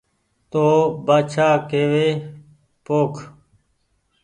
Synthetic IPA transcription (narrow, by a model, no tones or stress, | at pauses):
t̪oːbaːt͡ʃʰaːkeːʋeː | poːkʰ